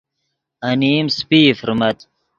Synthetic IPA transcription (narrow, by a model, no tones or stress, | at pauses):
ɐniːmspiːfɾmɐt̪